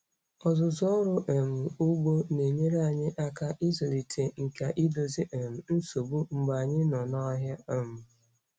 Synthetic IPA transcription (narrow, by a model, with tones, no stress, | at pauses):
ɔ˨zʊ˨zɔ˦ɾʊ˦ʔe˨m̩˨ʊ˦ɡ͡bo˦ne˨ɲe˦ɾe˦a˨ɲɪ˦ʔa˦ka˦ʔi˦zo˨li˨tʰe˨ŋ̩˨ka˨ʔi˦do˨zi˦ʔe˨m̩˨n̩˦so˨bu˦ŋ͡m̩˨ɡ͡ba˨ɲɪ˦nɔ˨nɔ˦ɦja˦e˨m̩˨